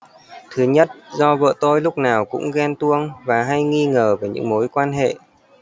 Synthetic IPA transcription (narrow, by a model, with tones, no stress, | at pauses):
t̪ʰɨ˨˦ɲə˦˥t̚zɔ˧və̰ː˧˨t̪o˧jlʊ˦˥k͡p̚naː˨˩wkʊ̰˧˥ŋ͡mɣɛ˧nt̪u˧əŋvaː˨˩ɦa˧jŋi˧ŋəː˨˩veː˨˩ɲɨ̰˧˥ŋmo˨˦jkwaː˧nɦḛ˧˨